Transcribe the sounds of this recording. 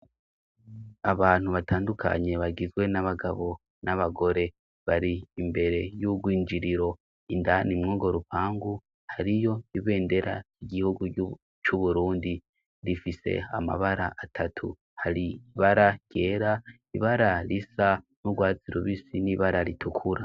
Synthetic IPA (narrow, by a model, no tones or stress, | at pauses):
aβaːn̥huβatʰaːndukʰa̰ɲe̞βaɡizɡwe̞naβaɡaβo̞ | naβaɡo̞ɾe̞ | βaɾiːmbe̞ɾe̞juɡwiːɲd͡ʒiɾiɾo̞ | indanimŋuːɡo̞ɾupaːŋɡu | haɾijo̞iβe̞ːnde̞ɾa̰iɡihuɡu | t͡ʃuβuɾuːndi | ɾifise̞̰a̰ma̰βaɾa̰ʔatʰatʰu | haɾiβaɾḁje̞ːɾa | iβaɾaɾisa | nuɡwaːt͡siɾuβisiniβaɾaɾitʰukʰuɾa